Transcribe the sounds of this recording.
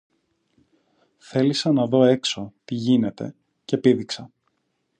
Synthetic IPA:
θe̞lisɐnɐðo̞e̞kso̞t̪iʝine̞t̪e̞̰ | ce̞piðiksɐ

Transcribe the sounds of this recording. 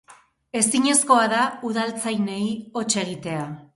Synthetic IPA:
e̞siɲe̞sko̞aðauðalt͡sajne̞jo̞t͡ʃe̞ɣit̪e̞a

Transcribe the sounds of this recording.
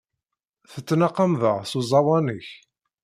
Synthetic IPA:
θət͡sːnaqːɑmðəʁsuzˤɑwɑnəç

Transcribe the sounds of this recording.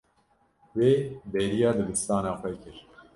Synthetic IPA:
weːbɛɾijɑːd̪ɨb̪ɨst̪ɑːnɑːxʷɛkɨɾ

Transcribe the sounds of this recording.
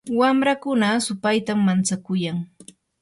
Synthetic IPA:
wamɾakʊnasʊpajt̪amːant͡sakʊjaŋ

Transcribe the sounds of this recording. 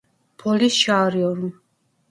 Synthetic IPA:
pʰɔlisʃaːɾiɔɾm

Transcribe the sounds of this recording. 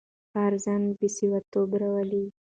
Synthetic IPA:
aɾzanbisiwat̪obɾawəli

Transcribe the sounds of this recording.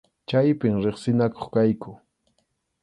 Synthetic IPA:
t͡ʃajpɪmɾeχsɪnakoχkajkʊ

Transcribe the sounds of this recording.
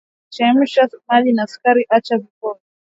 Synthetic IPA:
t͡ʃam̩ʃasmalinaskaɾiʔat͡ʃavikɔnɔ

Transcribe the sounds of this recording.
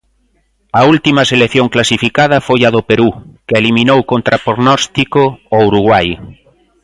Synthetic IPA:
ɐult̪imɐseleθjoŋklasifikað̞ɐfojɐðopeɾukɪelimĩnowkont̪ɾapoɣnɔst̪ikoowɾuɣwaj

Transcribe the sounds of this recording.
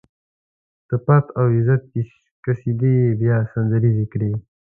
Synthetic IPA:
t̪əpat̪ʰawizat̪̚i | kasid̪ebjaːsanzɐɾizikɽe

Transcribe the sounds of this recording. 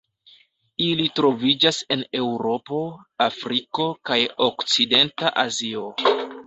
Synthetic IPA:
ilitɾo̞vid͡ʒase̞ne̞wɾo̞po̞afɾiko̞kajokt͡side̞ntaʔazio̞

